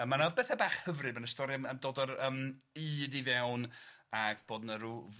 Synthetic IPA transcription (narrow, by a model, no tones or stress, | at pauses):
əmanabɛːθɛbaːχhəvrɨbənəstɔɾiaməmdoːdəɾəːmɨːdivɛwnaɡ̥b̥oːdnəɾuv